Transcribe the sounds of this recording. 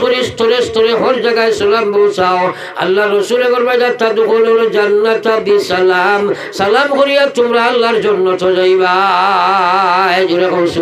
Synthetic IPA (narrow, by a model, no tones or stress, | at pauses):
oɾist̪ʰɔɾestɔɾeɦɔɾd͡ʒaɡajsɔlambɔwsaw | a̰lːaɾɔsulɛɡɔɾbajdat̪ːadukɔlɾɔd͡ʒanːat̪abisalam | salamkoɾijat̪ʊmɾaːlːaɾd͡ʒɔnːɔt̪ʰɔd͡ʒajba | ɛd͡ʒoɾɛkɔsu